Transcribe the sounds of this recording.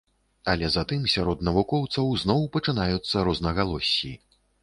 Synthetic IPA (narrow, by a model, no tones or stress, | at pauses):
ɐlʲɛzat̪ɨmsʲaɾɔd̪nɐvukɔwt̪sɐwznɔwpɐt͡ʂɨnajut̪sːɐɾɔznɐɣalˠɔsʲːḭ